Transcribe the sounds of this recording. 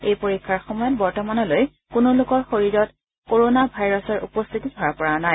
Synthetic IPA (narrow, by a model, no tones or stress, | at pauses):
ejpoɹikʰːaɹxɔmɔjɔt̚bɔɹtɔmanɔloj | kʊnʊlʊkɔɹxoɹiɹɔt | koɹonabʱajɹɔsɔɹṵpɔst̪ʰitidʱɔɹapɔɹanaj